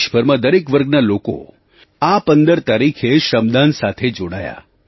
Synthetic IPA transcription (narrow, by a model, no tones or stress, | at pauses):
ʃbʱəɾmãd̪əɾekʋəɾɡnaloko̰ | apənd̪əɾt̪aɾikʰeʃəmd̪ansat̪ʰed͡ʒoɽa̰ja̰